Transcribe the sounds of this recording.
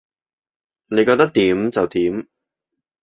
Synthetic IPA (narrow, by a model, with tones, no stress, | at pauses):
ne˨˧jkɔː˧k̚t̪ɐ˥k̚t̪iː˨˥mt͡sɐ˨wt̪iː˨˥m